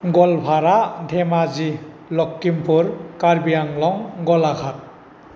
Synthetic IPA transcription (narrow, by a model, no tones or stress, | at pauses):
ɡɔlpʰaɾadʱemazi | lɔkːimpʰuɾkaɾbijaŋlɔŋɡɔlakʰat̚